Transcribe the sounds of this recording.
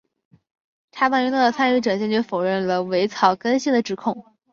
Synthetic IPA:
t̪ʰa˥pa˥˩y˧˥nɑ˥˩d̪ə˩t͡sʰa˥˧ny˥˩ʈ͡ʂɤ˨˩ŋt͡ɕjɛ˥nt͡ɕjɥo˥˩ʊfo˨˩ʊɻə˥˩nlə˩we˧˥ɪt͡sʰɑ˨˩ʊkə˥nɕi˥˩d̪ə˩ʈ͡ʂɻ̩˨˩kʰʊ˥˩ŋ

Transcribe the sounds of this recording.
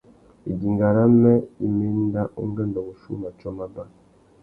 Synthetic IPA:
i˨ɟi˨ŋɡa˨ɾa˦mɛ˦i˦me˦n˦da˦ʔo̰˦ŋ˦ɡɛ˦˨ndɔ˨ɣo˨ʃṵ˦na˨t͡ʃɔ˦ma˦ba˦

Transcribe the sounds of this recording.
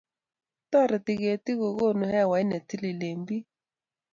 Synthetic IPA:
tɔ˦ɾɪ˨ti˨ɣe˨ti˦ko˨ɣo˦˨nu˨hɛ˦˨wa˨˦i˦nɛ˨ti˦li˨le˨mbi˦

